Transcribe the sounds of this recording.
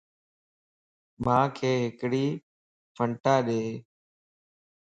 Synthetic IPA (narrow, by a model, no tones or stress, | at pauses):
mãːkʰeːɦɪkɽiː | pʰəɳʈaːɗeː